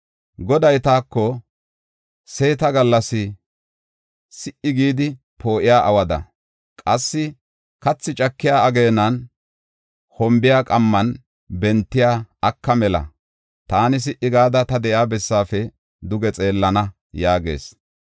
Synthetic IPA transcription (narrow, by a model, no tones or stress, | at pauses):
ɡɔd̪ɐjt̪aːkːɔ | seːt̪ɐɡɐlːɐsɪ | sɪʔɪɡiːd̪ɪ | pʰo̞ːʔɪjaːʔɐwɐd̪ɐ̰ | kʼɐsːɪ | kɐt͡sːɪt͡ʃʼɐkːɪjaːɐɡe̞ːnːɐn | hɔmbɪjaːkʼɐmːɐn | bɛnt̪ːɪjaːɐkːɐmɛlɐ̰ | t̪aːnɪs̬ɪʔɪɡaːd̪ɐt̪ɐd̪ɛʔjaːbɛsːaːfɛ | d̪ʊɡɛt͡sʼe̞ːlːɐnɐ | jaːɡe̞̰ːs